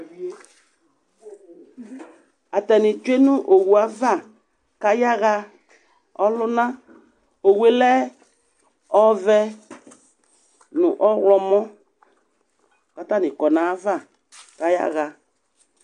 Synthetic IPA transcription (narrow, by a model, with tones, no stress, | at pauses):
a˨tɛ˨nɪ̃˨t͡ʃu˦e˦nʊ̃˦ʔo˨wu˨a˦va˦˨ | ka˦ja˦ɣa˧ | ɔ˦lʊ˦nã˦ | o˨we˨lɛ˦ | ɔ˦vɛ˦ | nʊ̃˨ʔɔ˦ɣlɔ˨mɔ̃˦ | ka˨ta˦nɪ̃˨kɔ˨nã˨˦va˦˨ | ka˦ja̰˦ɣa˨